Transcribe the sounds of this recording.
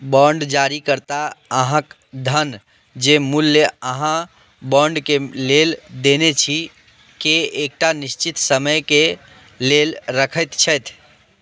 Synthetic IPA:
bɔɳɖd͡ʒaɾikəɾt̪aəɦãk | d̪ʱən | d͡ʒemulːeəɦã | bɔɳɖkeleld̪enet͡ʃʰi | keek̚ʈanist͡ʃit̪səməjke | lelɾəkʰəjt̪t͡ʃʰəjt̪ʰ

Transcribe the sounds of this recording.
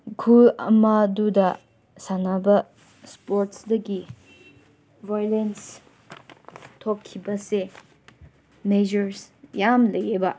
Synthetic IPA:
kʰuɐ̰madudɐ | sanabɐ | spoɾtsdɐɡi | vajlens | tʰokʰːibɐse | med͡ʒɐɾsjamlɐjebɐ

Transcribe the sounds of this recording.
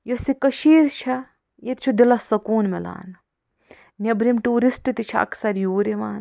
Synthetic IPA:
josikɐʃiːɾt͡ʃʰɐ | jet̪t͡ʃʰud̪ilɐsɐkuːnmela̰ːn | nɐbɾimʈuːɾisʈɨt̪it͡ʃʰɐɐ̰kʰsɐɾjuːɾiʋaːn

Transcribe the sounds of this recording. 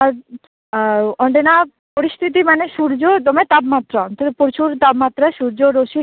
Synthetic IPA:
aɾ | ɔɳɖena | poɾist̪ʰit̪̬imaneʃuɾd͡ʑod̪omet̪abmat̪ːɾaɔnt̪od̪epoɾt͡ɕʰuɾt̪abmat̪ːɾaʃuɾd͡ʑoɾoʃi

